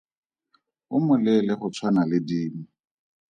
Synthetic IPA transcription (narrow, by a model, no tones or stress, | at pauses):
ʊmʊlɪlɪχʊt͡sʰwanalɪdiːm̩